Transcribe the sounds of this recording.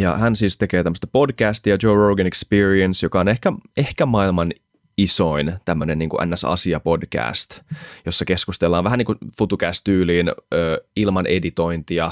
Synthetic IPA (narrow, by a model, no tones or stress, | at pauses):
jɑ̰hænsiːst̪ekeːt̪æmːəst̪ɑpo̞dkæːst̪iɑd͡ʒoːrowɡænekspiːɹiensjokɑonehkæehkæmɑilmɑn | isoint̪æmːøneniːŋkuʔæ̰nːæsɑ̰siɑpo̞dkæ̰ːst̪josːɑkeskust̪elːɑːʋʋæɦæniːŋkufut̪ukæst̪yːliːnøːilmɑnʔḛdit̪o̞int̪iɑ